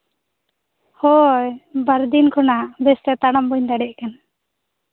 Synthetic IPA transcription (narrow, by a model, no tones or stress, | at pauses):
hɔjbaɾd̪inkʰɔnaʔbɛst̪ɛt̪aɽambɔɲd̪aɖɛʔkan